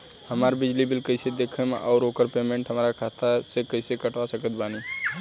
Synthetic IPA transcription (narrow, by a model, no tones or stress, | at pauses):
həmaːɾbɪd͡ʒlibɪlkəɪsed̪eːkʰemʔɔːʊɾoːkəɾpeːmẽɳʈɦəmaɾakʰaːt̪ʰasekəɪsekəʈʋasəkət̪̚baːni